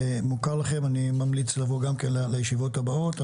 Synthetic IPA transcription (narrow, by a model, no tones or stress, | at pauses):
mukaʁlaχemanimamlit͡slavoɡamkenlelejeʃivo̞tabao̞ta